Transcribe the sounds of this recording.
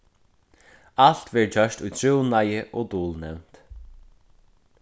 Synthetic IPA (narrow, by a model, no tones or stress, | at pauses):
aɬt̪vɛɹt͡ɕœʃt̪ujt̪ʰɾɪwnajɪʔɔt̪uːlnɛwn̥t̪